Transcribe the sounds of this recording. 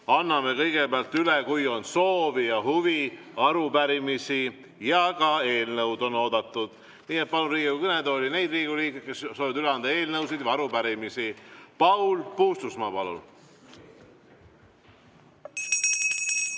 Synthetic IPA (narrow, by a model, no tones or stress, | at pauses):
ɑnːɑme̞kɤ̞jɡ̥e̞beɑlt̪ːylekujo̞nso̞ːvijɑɦuvi | ɑɾupæɾimisi | jɑkɑe̞ːlnɤwd̪o̞no̞ːd̪ɑt̪ːˑud̪̥ | niːe̞t̪̚pɑluɾiːɡuukɯne̞d̪olʲine̞jd̪riːɡ̥uliːkkesːoːviɑd̪yleɑnd̪ɑe̞ːlnɤwsid̪̥jɑɑɾupæɾimisipɑwlpuːst̪usmɑːpɑlṵl